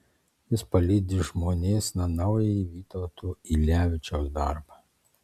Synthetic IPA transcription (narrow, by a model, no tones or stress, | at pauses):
jɪspɐlʲiːd̪ʲɪʒmoːnʲeːsnɐnɐʊjɛiʋʲiːt̪ɔʊt̪uːilʲæːʋʲɪt͡ʃʲoːsd̪ɑ̰ˑɾbɐ